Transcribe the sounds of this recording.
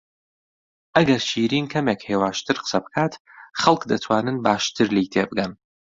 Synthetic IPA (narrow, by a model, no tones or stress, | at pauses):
ʔɐɡɐɾʃiːɾiːnkʰɐmekheːwaːʃt̪ɨɾqə̥sɐbɨkʰaːt̪ | χɐlˠkd̪ɐt̪ʰwaːnɨnbaːʃt̪ʰɨɾlijt̪ʰeːbɨɡɐn